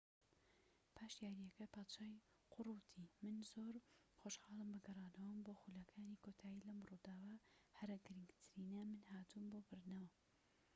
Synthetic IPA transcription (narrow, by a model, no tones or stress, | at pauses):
pʰaːʃjaːɾijɐkɐpʰaːt̪t͡ʃaːj | qʰʊruːt̪ʰimɨnzoːɾ | xoːʃxɑːlˠɨmbɨɡɐrˤɑːnɐwɨmboːxuːlɐkʰaːniːkʰoːt̪ʰaːjiːlɐmruːd̪aːwɐhɐɾɐɡɨɾɨŋɡt̪ʰɨɾiːnɐmɨnhaːt̪ʰumboːbɨɾd̪nɐwɐ